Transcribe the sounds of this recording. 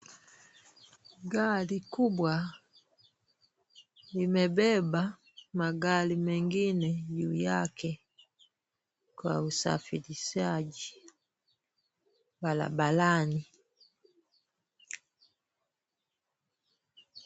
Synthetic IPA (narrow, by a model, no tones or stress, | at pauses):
ɡalikubwa | limɛbɛba | maɡalimɛŋɡinɛjujakɛ | kwa̰usa̰filisaɟi | bala̰balani